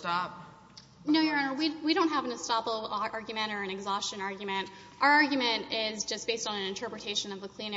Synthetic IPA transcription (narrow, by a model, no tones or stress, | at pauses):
tɑp̚ | noʊjə˞ɑ̃nəwiwiɾõʊ̃t̚ɦævn̩tʰɨstɑpəʔɑɹɡjɨmɨ̃ñɾ̃ə˞ɨ̃nɨɡzɔst͡ʃɨ̃nɑɹɡjɨmɨ̃nt | ʔaʊə˞ɑɹɡjɨmɨ̃ntɪzd͡ʒʌsb̥eɪstn̩ɨ̃nɨ̃ntʰɜ˞pɹɨtʰeɪʃɨ̃nʌvðəkʰl̥ĩn